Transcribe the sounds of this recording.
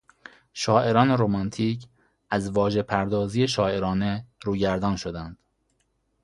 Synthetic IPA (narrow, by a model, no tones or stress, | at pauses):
ʃɒːʔe̞ɾɒːne̞ɾomɒnt̪ʰiːcʰ | æzvɒːʒe̞pʰæɾd̪ɒːziːjeʃɒːe̞ɾɒːne̞ɾuːɟæɾd̪ɒːnʃo̞d̪ænd̪̥